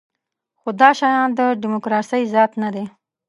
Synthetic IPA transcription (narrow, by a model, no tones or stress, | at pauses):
xod̪ɑʃɑjɑnd̪əɖɪmokɾɑsəjzɑt̪nad̪e